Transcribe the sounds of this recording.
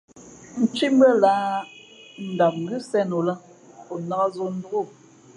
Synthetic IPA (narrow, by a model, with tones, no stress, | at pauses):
n̩˨t͡ʃi˦m˦bə˦laː˦ | n̩˨da˨p̚ŋ̩˨ɡɨ˦sɛ˦no˨la˦ | o˨na˦ɣa˦zo˦n̩˦du˦ɣo˦˨